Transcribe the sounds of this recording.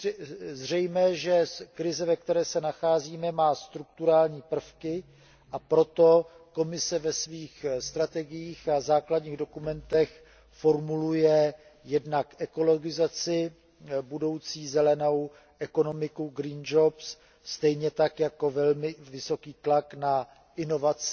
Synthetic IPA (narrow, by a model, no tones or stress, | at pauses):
zr̝ɛjmɛːʒɛkɾɪzɛvɛk̚t̪ɛɾɛːsɛnaxaːziːmɛmaːst̪ɾuk̚t̪uɾaːlɲiːpr̩fkɪ | ʔapɾo̞t̪o̞ko̞mɪsɛvɛsviːxst̪ɾat̪ɛɡɪjiːxazaːkladɲiːɣdo̞kumɛnt̪ɛx | fo̞ɾmulujɛ | jɛdnakʔɛko̞lo̞ɡɪzat͡sɪ | budo̞wt͡siːzɛlɛno̞w | ʔɛko̞no̞mɪkuɡɾiːnd͡ʒops | st̪ɛjɲɛt̪akjako̞vɛlmɪvɪso̞kiːt̪lakna | ʔɪno̞vat͡sɪ